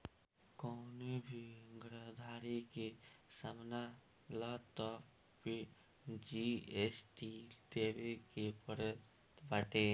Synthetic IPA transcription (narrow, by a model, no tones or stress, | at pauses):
kɔːnebʱiɡɾəd̪ʱaːɾikesəmna | laːt̪ɔpː | i | d͡ʒiesʈid̪ebekepəɾə | t̪baʈe